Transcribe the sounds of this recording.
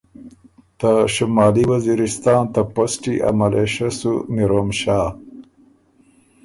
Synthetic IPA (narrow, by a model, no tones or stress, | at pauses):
t̪aʃumɑːliwaziɾɪst̪ɑːnt̪aposʈiʔa̰malʔeʃasumiɾomʃɑː